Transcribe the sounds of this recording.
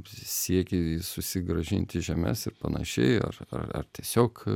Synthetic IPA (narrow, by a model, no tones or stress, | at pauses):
sʲiɛkʲɪsʊsʲɪɡɾɐʒʲɪnʲt̪ʲɪʒʲɛmʲɛ̰sɪrpɐnɐ̰ʃʲɛ̰ɪɐ̰rɐ̰rɐ̰rt̪ʲiɛsʲoːk